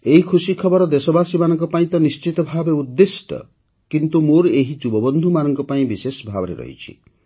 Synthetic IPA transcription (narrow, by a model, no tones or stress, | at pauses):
eɦikʰusikʰɔbɔɾɔd̪esɔbasimanɔŋkɔpaĩt̪ɔnist͡ʃit̪ɔbʱabeud̪ːesʈɔ̰ | kint̪umoɾeɦid͡ʒubɔbɔnd̪ʱumanɔŋkɔpaĩbisesɔbʱabɔɾḛɾɔ̰ɦḭt͡ʃʰḭ